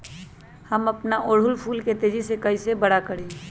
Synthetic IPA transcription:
həmɐpnaʔoːɽ̤ʊlpʰuːlket̪eːd͡ʒisekəisebəɽakəɾe

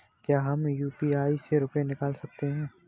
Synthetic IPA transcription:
kjaːɦɐmjuːpiaːiseɾʊpenɪkaːlsɐk̚t̪eɦɛ̃ː

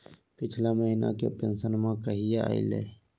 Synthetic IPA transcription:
pɪt͡ʃʰlaməɦina̰kḛpẽnsənmãkəɦijaa̰ḭlḛ

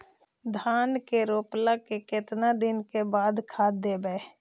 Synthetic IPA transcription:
d̪ʱaːnkeɾoːplakekɪt̪nad̪ɪnkebaːd̪kʰaːd̪ebɛː

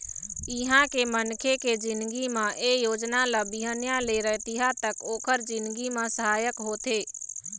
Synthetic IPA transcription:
ɪɦãkemənkʰeked͡ʒɪnd̪ɡimãʔejoːd͡ʒnaləbɪɦənjãleɾəɦt̪iɦat̪əkoːkʰəɾd͡ʒɪ̃nd̪ɡimãsəɦaːjəkɦoːt̪eː

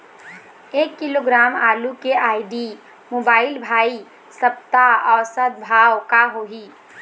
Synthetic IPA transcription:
eːkːiloɡɾaːmaːlukeʔaːiɖi | moːbaːɪlbʱaːi | səp̚t̪aɔːɾsəd̪̚bʱaːwkaɦoɦi

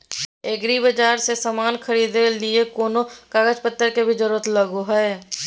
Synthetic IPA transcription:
eːɡɾibəd͡ʒaːɾsesamaːnxʰɐɾiːd̪elɪekoːnokaːɡəd͡ʒpət̪ːəɾkebʱid͡ʒəɾuːɾət̪ləɡoɦɛe

